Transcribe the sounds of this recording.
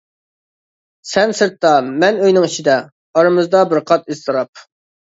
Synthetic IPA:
sɛnsɨɾt̪ːɑmɛnøjnɪŋit͡ʃʰid̪ɛ | ɑɾɨmɨzd̪ɑbɪɾqʰɑt̪izt̪ʰɨɾɑp̚

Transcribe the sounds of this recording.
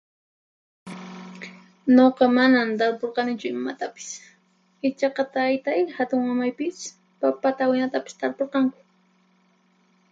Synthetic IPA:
noqɑmanamt̪aɾpoɾqɑnɪt͡ʃʊɪmat̪apɪ̥s | ɪt͡ʃɑqɑt̪ajt̪ajhat̪ʊŋmamajpɪs | papat̪awɪnat̪apɪ̥st̪aɾpoɾqɑŋkʊ̥

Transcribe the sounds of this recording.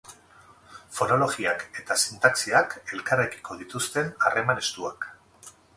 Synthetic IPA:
fo̞no̞loɣiake̞t̪asint̪aksiake̞lkareki̥ko̞ð̞it̪ust̪e̞narʔe̞mane̞st̪uak

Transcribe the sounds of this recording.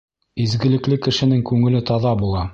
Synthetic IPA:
izɡɘ̆lɘ̆klɘkɘ̆ʃɘ̆nɘŋkʉŋɘ̆lɘt̪ɒðɑbulˠɑ

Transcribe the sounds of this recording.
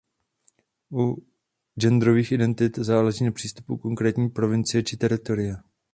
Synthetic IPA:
ʔu | d͡ʒɛnd̪ɾoviːxʔɪdɛnt̪ɪt̪zaːlɛʒiːnapr̝̥iːst̪u̥puko̞ŋkɾɛːt̪ɲiːpɾo̞vɪnt͡sɪjɛt͡ʃɪt̪ɛɾɪt̪o̞ɾɪjɛ

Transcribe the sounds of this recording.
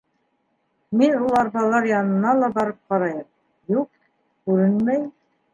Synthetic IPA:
minulˠɑɾβɑlˠɑɾjɑnɤ̆nɑlˠɑbɑɾɤp̚qɑɾɑjɤm | juq̚ | kʉɾɘnmæj

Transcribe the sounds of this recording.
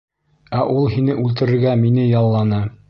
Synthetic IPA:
æʔulˠɦinɘʔʉlt̪ɘ̆ɾɘ̆ɾɡæminɘjɑlˠːɑnɤ

